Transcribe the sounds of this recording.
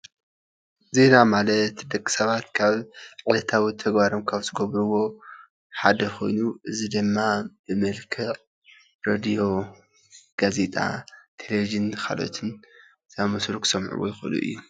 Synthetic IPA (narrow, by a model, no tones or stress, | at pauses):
ze̞namalɐt̪d̪ɐkʼːi̥sɐβat̪kʰaβʕɨlɐt̪ʰawit̪ʰɐɡβaɾomkʰaβzɨɡɐβɾuwo̞ | ħad̪ɐxʰo̞jnuʔɨzid̪ɨmːab̥ɨmɨlkʰɨʔʼ | ɾad̪ijo̞ | ɡ̥aze̞t̪ʼa̰t̪ʰelevid͡ʒɨnxa̰lo̰t̪ʰɨn | zaβmɐsɾuksɐmʕṵwo̰jɪxʔɨ̰lṵʔɨ̰jːu